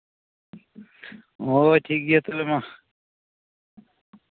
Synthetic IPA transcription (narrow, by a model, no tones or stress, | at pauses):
oːʈʰiːk̚ɡiet̪olema